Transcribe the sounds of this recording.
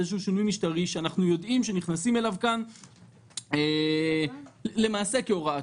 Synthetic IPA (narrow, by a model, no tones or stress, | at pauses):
eʃ̬uʃinujmiʃtaʁiʃeanaχnujo̞d̪imʃeniχnasime̞lavkan | e | le̞maːse̞keoʁa